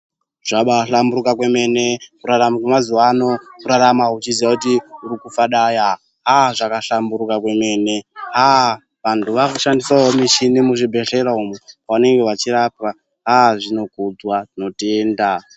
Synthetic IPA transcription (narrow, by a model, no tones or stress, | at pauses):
ʐ̥aɓaɬambuɾukakwe̞me̞ne̞kuɾaramakwemazuwano̞kuɾaɾamaut͡ʃiziʋakutiuɾikufaɗaja | ɦaʐakaɬambuɾukakwe̞me̞ːne̞ɦa | ʋantʰuʋakuʃandisaomiʃinimuʐibʱe̞ɬe̞ɾaumupaune̞ŋɡe̞wat͡ʃiɾapa | ɦaʐino̞kud͡zwaino̞teːnda